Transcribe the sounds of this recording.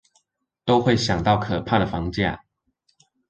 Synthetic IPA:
t̪o˦ʊxwe˥˨ɪɕjɑ˨˩ŋt̪ɑ˥˨ʊkʰə˨˩pʰa˥˨d̪ə˩fɑ˧˦ŋt͡ɕja̰˥˨

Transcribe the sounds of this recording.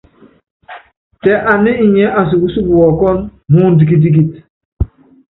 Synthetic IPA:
tɛ˨ʔa˨ni˦i˨ɲɛ˦ʔa˨s̬u˨ɡu˦su˦bu˨wɔ˨kɔ˦nmu˦ndi˨k̬i˦d̬i˦ɡ̬i˨t

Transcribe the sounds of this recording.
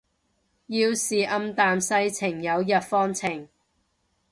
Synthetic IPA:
jiː˧wsiː˨ʔɐ˧mt̪aː˨msɐ˧jt͡sʰɪ˨˩ŋjɐ˨˧wjɐ˨t̚fɔː˥ŋt͡sʰɪ˨˩ŋ

